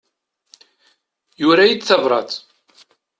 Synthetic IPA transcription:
jʊɾæjid̪θɑvɾˤɑt̪

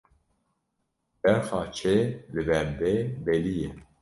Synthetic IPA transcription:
b̥ɛɾxɑːt͡ʃʰelɨbɛɾbebɛlijɛ

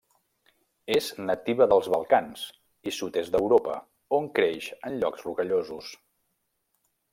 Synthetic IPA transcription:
eznət̪iβəðəlˠzβəlˠkans | isut̪ezd̪əwɾopə̰ | oŋkɾeʃənʎɔ̰kzruɣəʎozus

